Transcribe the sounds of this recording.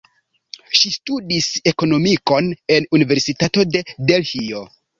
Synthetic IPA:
ʃistudise̞ko̞no̞miko̞ne̞nunive̞ɾsitato̞de̞delhio̞

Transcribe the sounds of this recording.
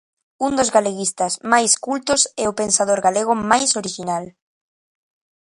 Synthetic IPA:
und̪ozɣaleɣist̪asmajskult̪ʊsɛopensað̞oɾɣaleɣ̞ʊmajsoɾiʃinal

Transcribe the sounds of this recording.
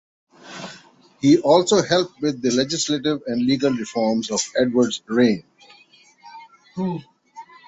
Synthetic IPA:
hiːʔɔːlsoːhɛlp̚ʈʋɪd̪̚ːəlɛd͡ʒɪsleʈɪʋɛ̃ɳɖliːɡəlɾɪfɔːɾmzɔʋɛɖʋəɾɖzɾẽːn

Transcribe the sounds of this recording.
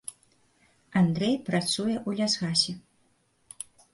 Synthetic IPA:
and̪ɾɛjpɾat̪sujɛʔulʲazɣasʲɛ

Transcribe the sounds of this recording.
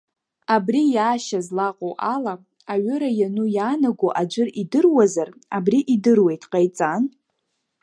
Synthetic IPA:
abrijaːʃazlaqʼoʔala | aɥʏɾajanujaːnaɡʷoʔad͡ʒʷɨridɨrwazarabriʔidɨrwe̞jtʰʼqʼajt͡sʼan

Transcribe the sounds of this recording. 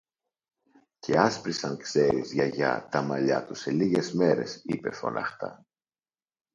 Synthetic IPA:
cʰe̞ɐspɾisɐŋkse̞ɾizʝɐʝɐ̰t̪ɐmɐʎɐ̰t̪use̞liʝe̞zme̞ɾe̞sipe̞̰fo̞̰nɐ̰xt̪ɐ̰

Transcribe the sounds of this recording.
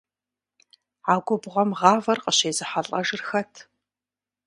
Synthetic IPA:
aːɡʷɔbʁʷɔmʁɑːvɐrqəɕeːzɨħɐɬʼɐʒɪrxɐtʰ

